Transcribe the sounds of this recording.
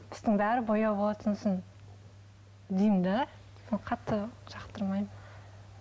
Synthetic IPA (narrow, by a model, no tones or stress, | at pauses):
b̥ɪ̥zd̪ɪŋbæɾɪbojɑbo̞lˠɑt̪ʰənsən | d̪ejɪmd̪æ | enqʰɑt̪ːəʒɑqt̪əɾmɑjm